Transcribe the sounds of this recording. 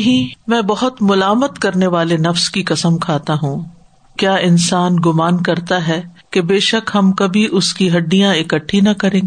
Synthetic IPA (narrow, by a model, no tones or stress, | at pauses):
ɦĩmɛ̃ːbɐɦʊt̪mʊlaːmət̪kɐɾneʋaːlenɐfskikɐsəmkʰaːt̪aɦũː | kjaːɪnsaːnɡʊmaːnkɐɾt̪aɦɛː | kebeːʃɐkɦɐmkɐbʱiʔʊskiɦɐɖːijãɪkɐʈʰːinɐkɐɾẽːɡː